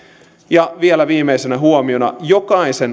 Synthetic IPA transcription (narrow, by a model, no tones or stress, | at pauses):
jɑʋielæʋiːmeisenæɦuomio̞nɑ̰jokɑisen